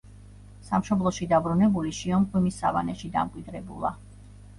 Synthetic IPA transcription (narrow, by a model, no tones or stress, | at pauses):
samʃɔblˠɔʃid̪abɾunɛbuliʃiɔmχʼwimisava̰nɛʃid̪a̰mkʼwid̪ɾɛbṵlˠa̰